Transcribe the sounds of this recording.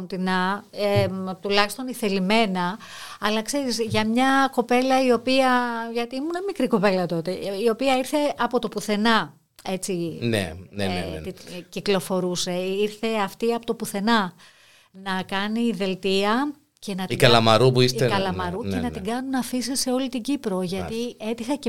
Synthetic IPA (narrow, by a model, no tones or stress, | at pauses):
nt̪inɐet̪ulɐçi̥st̪o̞niθe̞lime̞nɐ | ɐlɐkse̞ɾizʝɐmɲɐko̞pe̞lɐio̞piɐʝɐt̪iːmunɐmikɾiko̞pe̞lɐt̪o̞t̪e̞io̞piɐiɾθe̞ʔɐpo̞t̪o̞puθe̞nɐ | e̞t͡sinḛnḛiciklo̞fo̞ɾuse̞iɾθe̞ɐft̪iɐpot̪o̞puθe̞nɐ | nɐkɐniðe̞lt̪iɐ | ce̞nɐt̪ikɐlɐmɐɾupuist̪ekɐlɐmɐɾucenɐtt̪iɡɐnunɐfisese̞o̞lit̪iɟipɾo̞ʝɐt̪ie̞t̪ixɐce